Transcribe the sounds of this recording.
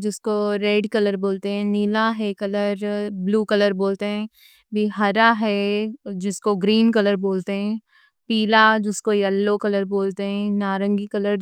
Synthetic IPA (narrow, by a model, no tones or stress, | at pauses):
d͡ʒɪskoɾeːɖkɐləɾboːlt̪eɦɛ̃niːlaɦɛkɐləɾbluːkɐləɾboːlt̪eɦɛ̃ː | bʱiɦɐɾaɦɛd͡ʒɪskoɡɾiːnkɐləɾboːlt̪eɦɛ̃ː | piːlad͡ʒɪskojɐlːokɐləɾboːlt̪eɦɛ̃naːɾə̃ŋɡikɐləɾ